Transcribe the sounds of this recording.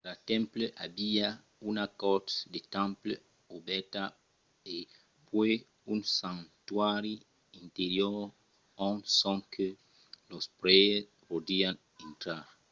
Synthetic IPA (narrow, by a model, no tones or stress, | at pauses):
ɾat̪ɛ̃mpleʔabia | unakɔt̪d̪et̪ãmplə | obɛt̪a | e | pwe | unsãnt̪waɾi | ĩnt̪eɾjoɾ | ɔ̃nsɔ̃ŋkʰe | lospɾes | pod̪ian | ẽnt̪ɾaɾ